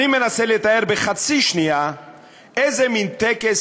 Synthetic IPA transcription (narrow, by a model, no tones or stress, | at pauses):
imenaselet̪aeɾbeχat͡siʃnia | ezemint̪ɛkes